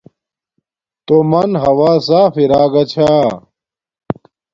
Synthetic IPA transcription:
t̪omɐnɦɐwaːsaːfiɾaːɡɐt͡ɕʰaː

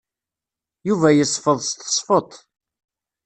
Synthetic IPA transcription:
juvæjəsˤfəðˤst̪sˤfot̪ˤ

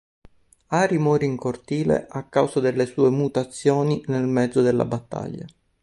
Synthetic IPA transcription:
aːɾimɔːɾeiŋkort̪iːlḛʔakːawzad̪elːesuːemut̪at̪sːjoːninelmɛd̪zːod̪elːa̰bat̪ːa̰ʎːa̰

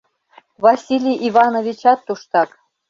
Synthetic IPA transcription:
vɑsʲilʲijʔivɑnovʲit͡ɕɑt̪ːuʃt̪ɑk

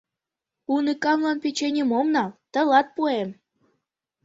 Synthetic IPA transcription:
unɨkɑmlˠɑnpet͡ɕenʲĕmomnɑlt̪ə̆lɑt̪̚puem

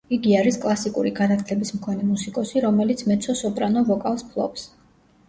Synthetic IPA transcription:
iɡiaɾiskʼlˠasikʼṵɾiɡanat̪ʰlɛbismkʰɔnɛmusikʼɔsiɾɔmɛlit̪sʰmɛt̪sʰɔsɔpʼɾanɔvɔkʼafspʰlˠɔ̰ps

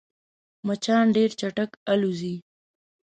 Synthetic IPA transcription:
mat͡ʃɑnɖeɾt͡ʃaʈəkaluzi

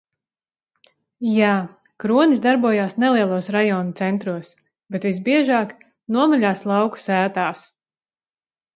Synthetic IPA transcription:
jaː | kɾuɔnisd̪aɾbuɔjaːsnɛlˠiɛlˠuɔsɾajɔːnut̪sɛnt̪ɾuɔs | bɛt̪vis̬biɛʒaːk | nuɔmaʎʲaːslˠɑwku̥sæːt̪aːs

